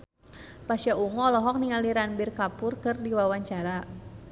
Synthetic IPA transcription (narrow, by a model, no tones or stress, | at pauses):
pasjaʔuŋɔlɔɦɔk̚niŋaliɾanbɪrkapʊrkərdiwawaɲt͡ʃaɾa